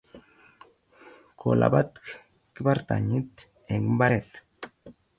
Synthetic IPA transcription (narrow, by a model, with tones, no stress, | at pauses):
kʰo̰˨la̰˨ba˦t̪ | ki˦ba˦ɾt̪a̰˨ɲi˦t̪ | e˨ɡmba˦ɾet̪